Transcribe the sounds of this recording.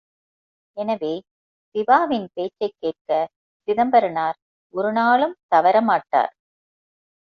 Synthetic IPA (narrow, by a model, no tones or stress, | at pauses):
ɛnɐʋeː | sɪʋaːʋɪnpeːt͡ʃːɐɪkːeːʈ̚kɐ | sɪðɐmbɐɾɯnaːɾ | ɔɾɯnaːɭɯmt̪ɐʋɐɾɐmaːʈːa̰ːɾ